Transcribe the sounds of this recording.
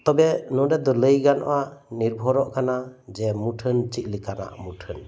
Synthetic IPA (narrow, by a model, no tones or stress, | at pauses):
t̪ɔbɛnɔdɛd̪ɔlɯjɡanɔ̰ʔaniɾbʱɔɾɔʔkʰanad͡ʒɛmuʈʰɯnt͡ʃiʔ̚likʰana̰ʔmutʰɯn